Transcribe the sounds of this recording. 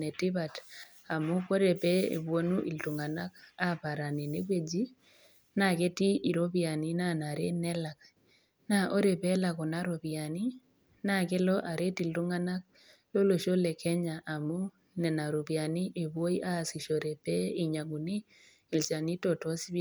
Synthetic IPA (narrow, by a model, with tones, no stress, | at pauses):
nɛ˨ti˦βa˨t | a˨mu˦ko˦ɾɛ˨pɛ˦ḛ˨bwo˦nu˦ʔi˨ltu˨ŋa˨na˦ka˦pa˨ɾa˨ni˨ne˦k̬we˨d͡ʒi˦ | na˦˨ke˦ti˦i˨ɾo˦pi˨a˨ni˦na˦na˨ɾe˦nɛ˦la˨k̚ | na˦ʔo˦ɾɛ˨pɛ˦la˨kɔ˨na˦ɾo˨pi˨a˨ni˦ | na˦kɛ˦lɔ˦ʔa˨ɾe˦ti˨ltu˦ŋa˦na˦k̚ | lɔ˦lo˨ʃo˦lɛ˨kʰɛ˦ɲa˨ʔa˨mu˦ | nɛ˨na˨ɾo˨pi˨a˨ni˦ʔe˨bwo˦jʔa˦˨si˨ʃo˨ɾɛ˨pɛ˦i˨ɲa˨ɡu˨niː˦˨ | lt͡ʃa˨ni˦tɔ˨tɔ˦si˦b